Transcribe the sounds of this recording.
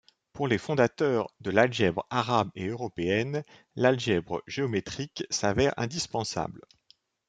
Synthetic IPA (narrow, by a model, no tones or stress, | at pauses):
puʁlefɔ̃d̪at̪œːʁd̪əlalʒɛbʁaʁabeøʁɔpeɛn | lalʒɛbʁəʒeɔmet̪χiksavɛʁɛ̰̃d̪ispɑ̃sa̰bl